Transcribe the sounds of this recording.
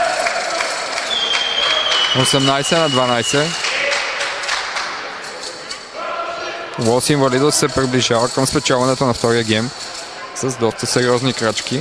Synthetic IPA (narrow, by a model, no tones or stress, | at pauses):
osɛmnajsɛnɐd̪vanajsɛ | vɔsiɱvɐlid̪osɛpɾibliʒavəkəmspɛt͡ʃalˠvɐnɛt̪onɐft̪ɔɾijəɡʲɛm | səzd̪ɔst̪əsɛɾiɔznikɾat͡ʃki